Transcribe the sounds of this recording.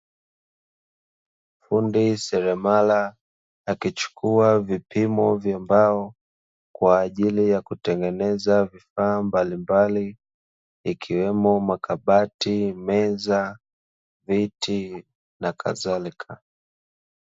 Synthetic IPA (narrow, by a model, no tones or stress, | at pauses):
m̩fundisɛɾɛmalaː | kit͡ʃu̥kʰuavipimɔvjambaɔ | kwaːʄilijakutɛŋɡɛnɛzavifaːmbalimbaliː | kʰiwɛmɔmakaɓatimɛza | viti | nakʰa̰ðalikʰa